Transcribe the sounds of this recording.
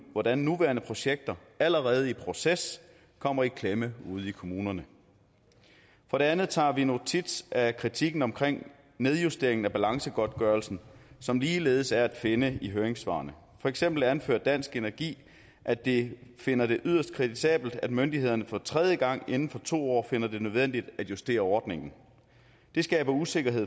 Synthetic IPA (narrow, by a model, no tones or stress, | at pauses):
ʋɒd̥ænːuʋæːɐnəpʰʁo̝ɕeɡ̥̚d̥ɐ | æləʁɛːð̞ˠəipʰʁo̝ses | kʰɒ̽m̰ɐikʰleməuð̞̩ˠikʰo̝muːnɐnə | fɒɾe̝ænð̞̩ˠt͡sʰɑ̰̈ːʋino̝t͡sʰid̥sʔækʰʁit͡sʰiɡ̥n̩ɒ̽mkʰʁeŋ̰ | neð̞ˠjusd̥e̝ɐeŋn̩æb̥ælɑ̈ŋsəɡ̥ɒ̽d̥̚ɡ̥ɶɐlsn̩sɒ̽mliːle̝ːð̞̩ˠəsæɐæd̥fe̝nəiɦøːɐeŋsʋɑ̰̈ːnə | fɒ̽eɡ̥sem̰b̥l̩ænfø̰ːɐd̥æn̰sɡ̥enæɐɡ̥ḭː | ʔæd̥e̝fe̝nɐd̥e̝ʔyð̰ˠɐsd̥̚kʰʁidisɛ̰ːb̥l̩d̥æd̥mønd̥iɦe̝ð̞ˠɐnəfɒ̽t͡sʰʁɛð̞ˠjəɡ̥ɑ̈ŋ̰e̝nn̩fɒ̽t͡sʰo̝̰ːɒ̰ːfe̝nɐd̥e̝nøð̞ˠʋen̰d̥id̥æd̥jusd̥e̝̰ːɐɒːd̥ne̝ŋn̩ | d̥e̝sɡ̥ɛ̰ːb̥ɐuse̝ɡ̥ɐɦe̝ð̰